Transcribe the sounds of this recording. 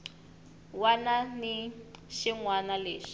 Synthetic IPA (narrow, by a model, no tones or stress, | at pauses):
wananiʃiŋwanaleːʂi̥